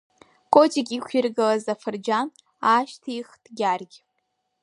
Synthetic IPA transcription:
kʼotʰʼikʲʼikʷʰɪrɡalazafɨrd͡ʒan | aʃtʰijχtɡʲarɡʲ

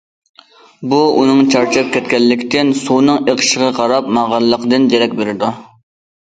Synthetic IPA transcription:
buunɨŋt͡ʃʰɑɾt͡ʃʰɑp̚kʲʰɛt̪kʲɛlːɪkʲt̪ɪnsuwnɨŋeqʰə̥ʃəʁɑqʰɑɾɑp̚mɑʁɑllːˠəqd̪ɨnjeɾɛkʲbeɾɪd̪u

